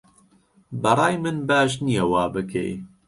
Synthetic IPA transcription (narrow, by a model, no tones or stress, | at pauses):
bɐɾˤɑːjmɨnbaːʃnijɛwɑːbɨkʰḛj